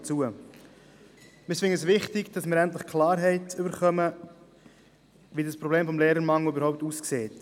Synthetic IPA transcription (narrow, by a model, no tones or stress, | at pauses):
t͡suə | mɪsvɪŋəsvɪχtɪɡd̥ɑsmɪːɾɛnt̬ləχkʰlɑːɾɦɛɪtʏbəɾχœmə | ʋidəspɾoɔbleːmfɔmleːɾəmɑŋløbəɾhɔʊp̚tuːskseːt